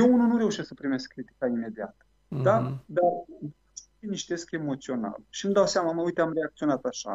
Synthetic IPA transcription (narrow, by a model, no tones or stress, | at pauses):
jeununuɾe̞uʃe̞sksəpɾime̞skːɾit̪i̥kaime̞d̪ia̰t̪ə | d̪ad̪av | ʃ | iniʃt̪e̞ske̞mo̞t̪sio̞na̰lʃimd̪awseamaməujt̪eamre̞ak̚t̪sio̞nat̪aʃa̰